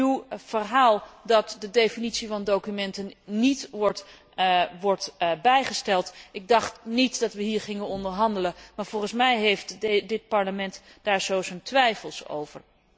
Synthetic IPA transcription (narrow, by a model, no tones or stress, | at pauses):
iwv̥ərɦaːlˠdɑtdədejfinitsivɑndowkymɛntənːitʋɔɹt | ʋɔɹtbɛjχəstɛlˠtɪɡ̚dɑχtnitdɑtʋəɦiːɹχɪŋənɔndəɹɦɑndələmaːɹvɔlˠχənsmɛjɦejftdɪt̚pɑɹləmɛntd̥aːɹz̥owzontʋɛjfəlˠso̰wvə̰ɹ